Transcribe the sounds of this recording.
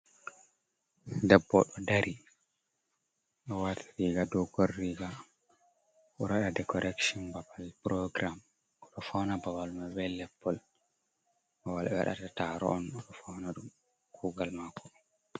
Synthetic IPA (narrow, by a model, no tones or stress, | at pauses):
dɛbːɔɗɔdaɾʔi | ɗɔwatʰi̥ɾiɡadɔɡorːiɡa | ʔɔɾaɗadɛkɔɾɛkʃɔnbabalpɾɔɡɾam | ʔɔɗɔfawnabawalmawɛlɛpːɔl | bawalɛwa̰ɗa̰tataɾɔ̰ʔɔnɔɗɔfawnaɗum | kuːɡalmakːɔɗɔn